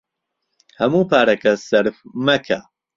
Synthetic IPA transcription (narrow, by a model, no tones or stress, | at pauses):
hɐmuːpʰaːɾɐkʰɐsɐɾfmɐkʰa